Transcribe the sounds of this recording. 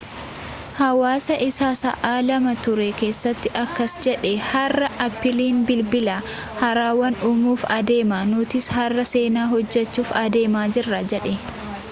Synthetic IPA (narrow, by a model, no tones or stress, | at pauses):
hɐwaːsɐʔɪsaːsɐ̰ʔaːlɐmɐt̪ʊɾɛke̞ːsːɐt̪ːɪʔɐkːɐsd͡ʒɛᶑɛhɐrːɐʔɐpːɪliːnbɪlbɪlaː | hɐɾaːwɐnʊmuːfɐd̪e̞ːmaːnʊt̪ɪshɐrːɐse̞ːnaːɦɔd͡ʒːɛt͡ʃːuːfɐd̪e̞ːmaːd͡ʒɪrːɐd͡ʒɛᶑɛ